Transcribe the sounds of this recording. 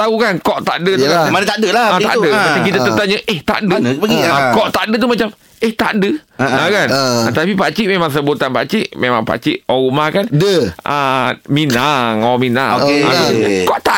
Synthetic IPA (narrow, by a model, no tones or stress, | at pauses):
t̪aɦukankɔʔt̪a̰ʔdətukamanət̪adəlaət̪a̰ʔudəaaŋkit̪at̪ət̪aɲəʔeht̪a̰ʔdəpəɡikɔʔt̪aʔdət̪umat͡ʃam | eht̪a̰ʔdəəkanət̪apipat͡ʃiʔmemaŋs̬əbot̪anpa̰t͡ʃiʔmemaŋpa̰t͡ʃiʔɔɣumahkandəəminaŋɔmina̰oŋekɔʔt̪a